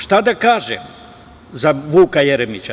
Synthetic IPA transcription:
ʃt̪ad̪akaːʒɛ̰ | zaʋuːkajɛɾɛmit͡ʃa

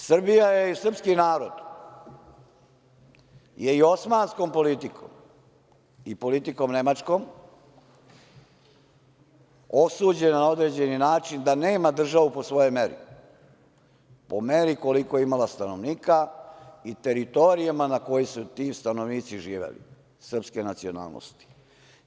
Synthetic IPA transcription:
sr̩bijajeisr̩pskinaːɾod̪ | jeio̞smaːnsko̞mpo̞lit̪iko̰m | ipo̞lit̪iko̞mne̞mat͡ʃko̞m | o̞suːd͡ʑe̞nanao̞d̪ɾed͡ʑe̞ninaːt͡ʃind̪ane̞ːmad̪r̩ʒaʋupo̞sʋo̞jojmeɾḭ | po̞meɾiko̞likojeimalast̪ano̞ʋniːkait̪e̞ɾit̪o̞ɾijamanako̞jisut̪iːst̪ano̞ʋniːt̪siʒiːʋḛlḭ | sr̩pske̞nat̪sio̞na̰ːlˠno̰st̪i̥

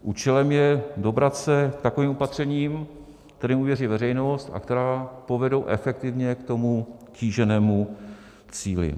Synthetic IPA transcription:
ʔuːt͡ʃɛlɛmjɛdo̞bɾat̪sɛkt̪ako̞viːmo̞pat̪r̝̥ɛɲiːm | kt̪ɛɾiːmuvjɛriːvɛrɛjnost̪a̰kt̪ɛɾaːpo̞vɛdowʔɛ̰fɛk̚t̪ɪvɲɛkt̪o̞muciːʒɛnɛːmu | t͡siːlɪ̰

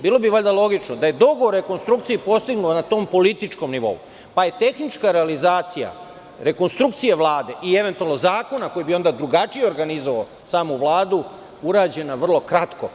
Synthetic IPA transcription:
biːlˠo̞biʋaʎd̪alˠo̞ɡit͡ʃnod̪aje̞d̪o̞ɡoːɾe̞ko̞nst̪ɾukt̪siipo̞st̪iɡnuonat̪o̞ːmpo̞lit̪it͡ʃko̞mniʋo̞̰ṵ | paje̞t̪e̞xnit͡ʃkaɾealizaːt̪sija̰ | ɾe̞ko̞nst̪ɾuk̚t̪sije̞ʋlˠaːd̪e̞ʔie̞ʋe̞nt̪ualno̞zaːko̞nako̞jibio̞nd̪ad̪ɾuɡat͡ʃijeo̞ɾɡanizoʋao | saːmuʋlˠaːd̪u | uɾaːd͡ʑe̞naʋr̩lo̞kɾat̪ko

